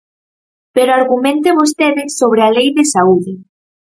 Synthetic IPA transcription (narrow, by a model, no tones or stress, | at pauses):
peɾoaɾɣumẽnt̪eβost̪eðɪsoβ̞ɾealejðesauðɪ